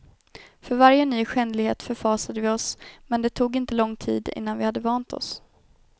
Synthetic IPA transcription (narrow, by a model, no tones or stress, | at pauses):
fœɾvaɾjənyːɧɛnlɪɡhḛːt̪fœɾfɑːsad̪əvɪɔsmɛnd̪ɛt̪ʰuːɡɪnt̪əlɔŋːt̪ʰḭːd̪ɪ̰nːanvɪhad̪ːəvɑːnt̪ʰɔ̰s